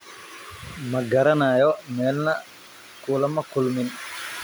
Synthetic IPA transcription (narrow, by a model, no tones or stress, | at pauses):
mɐɡɐɾɐnaːjomeːlnɐ | kuːlɐmɐkulmin